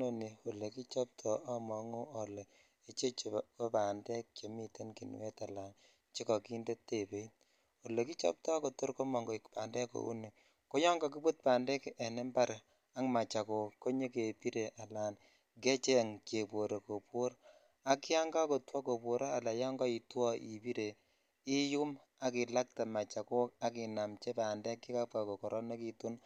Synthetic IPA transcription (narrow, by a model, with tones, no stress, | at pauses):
no˨ni˨o˨le˨ki˦t͡ʃɔ˦p̚tʰɔ˨ʔa˦mɔ˨ŋo˦o˨le˨ | e˨t͡ʃe˦t͡ʃe˨ko˦pa˨ndɛ˦k̚t͡ʃo˨mi˦te˦nki˨nwe˦ta˨la˨n | t͡ʃi˦kɔ˨ki˦nde˦tːe˨pe˨˦i˦t | o˨le˨ki˦t͡ʃɔ̰˦p̚tɔ˦ko˨tu˦ɾko˦mɔ˨ŋɡo˨i˨kpa˨ndɛ˦ko̰˦ṵ˦ne˨ | ko˦jɔ˦ŋɡa˨ki˦pu˦t̚pa˨ndɛ˦kɛ˨ne˦mba˦ɾ | a˦ŋma˨t͡ʃa˨ko˨kːo˦ɲe˦ke˨pi˦ɾe˨ʔa˨la˨n | ke˦t͡ʃɛ˦ŋt͡ʃe˨pwo˨ɾe˨ko˨pwo˦ɾ | a˦ki˦a˦ŋɡa˦ko˨twɔ˦ko˨pwo˨ɾɔ˦a˨la˨jɔ˦ŋɡɔ˦i˨twɔ˦ḭ˨pi˦ɾe˨ | i˦ju˦m | a˦ki˨la˦k̚ta˨ma˨t͡ʃa˨ko˦ka˦ki˨na˨mt͡ʃɛ˦pa˨ndɛ˦kːi˦ka˦p̚ka˨kɔ˨kɔ˨ɾʔɔ˦ne˦ki˨tu˦n